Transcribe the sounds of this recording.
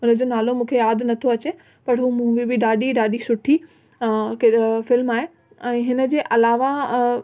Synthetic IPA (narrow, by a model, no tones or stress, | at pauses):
ɦʊnəd͡ʑoːnaːlomũːkʰejaːd̪nɐt̪ʰoɐt͡ɕe | pɐʈʰɦuːmũːʋibɪɗaːɗiɖaːɗisʊʈʰi | kefɪlmaːɦe | ɛ̃ːɦɪnəd͡ʑeːʔɐlaːʋa